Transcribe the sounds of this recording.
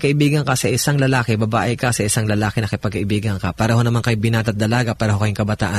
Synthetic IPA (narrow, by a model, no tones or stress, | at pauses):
kɐʔɪbiːɡɐŋkɐsɐʔɪsaŋlɐlaːkɛbɐbaːʔɪkɐsɐʔɪsaŋlɐlaːkɛnɐkɪpɐɡ̚kɐʔɪbiːɡɐŋkɐpaːɾɐɦonɐmaŋkɐjbɪnaːt̪ɐt̪̚d̪ɐlaːɡɐpaːɾɐɦo̞kɐjʊŋkɐbɐt̪a̰ːʔɐ